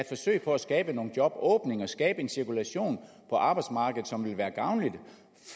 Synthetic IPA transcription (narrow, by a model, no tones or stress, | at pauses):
æ̥fɒ̽sø̰ɪ̰pʰɒ̽æsɡ̥ɛːb̥əno̝ːn̩d̥jɒ̽b̥ɔːb̥ne̝ŋɐɒsɡ̥ɛ̰ːb̥əe̝nsiɐkʰulæɕo̝̰ːn | pʰɒ̽ʔɑ̈ːb̥ɑ̈ɪd̥smɑ̈ːɡ̥ð̩ˠsɒ̽mʋe̝lʋæːɐɡ̥ɑ̈ʊnlid̥ | f